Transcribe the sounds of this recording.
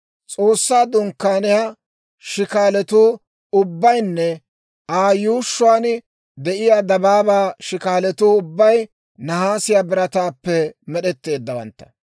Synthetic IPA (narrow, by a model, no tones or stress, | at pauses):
t͡sʼo̞ːsːaːd̪ʊŋkːaːnɪja | ʃɪkaːlɛt̪uː | ʊbːɐjnːɛ | aːjuːʃːʊaːn | d̪ɛʔɪjaːd̪ɐbaːbaːʃɪkaːlɛt̪uːʊbːɐj | nɐɦaːsɪjaːbɪɾɐt̪aːpːɛmɛɗɛt̪ːe̞ːd̪ːɐwɐ̰nt̪ːɐ̥